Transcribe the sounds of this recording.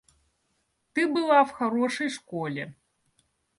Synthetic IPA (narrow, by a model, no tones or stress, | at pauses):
t̪ɨbɨlˠawxaɾɔʂɐjʂkɔlʲɛ